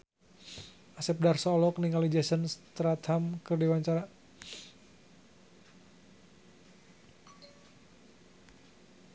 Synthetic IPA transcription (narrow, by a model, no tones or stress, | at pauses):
asɛp̚darsɔlɔk̚niŋalid͡ʒɛsənst̪ɾat̪hamkərdiwaɲt͡ʃaɾa